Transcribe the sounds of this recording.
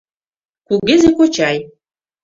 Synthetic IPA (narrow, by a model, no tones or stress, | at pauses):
kuɡʲɘzekot͡ɕɑj